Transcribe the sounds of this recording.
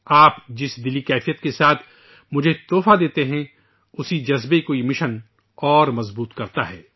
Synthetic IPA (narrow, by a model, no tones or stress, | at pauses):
aːpd͡ʒɪsd̪ɪlikɛːfijət̪kesaːt̪ʰ | mʊd͡ʒʱet̪oːfad̪eːt̪eɦɛ̃ | ʊsid͡ʒɐzbekoːimɪʃən | ɔːɾmɐzbuːt̪kɐɾt̪aɦɛː